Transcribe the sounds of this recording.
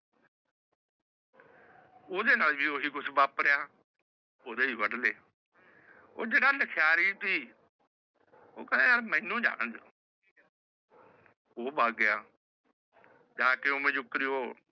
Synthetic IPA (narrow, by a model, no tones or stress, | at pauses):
oːd̪eːnaːlʋiːoːɦiːkʊsʰbaːpɾejaː | oːd̪eːiːʋəɖleː | o̰ːd͡ʒeːɽaːləkʰjaːɾit̪iː | o̰ːkədeːnaːlmɛ̃ːnũːd͡ʒa̰ːɽəd͡ʒ | oːbaːɡːɪjaː | d͡ʒaːkeoːmẽːd͡ʒʊkːɾɪjoː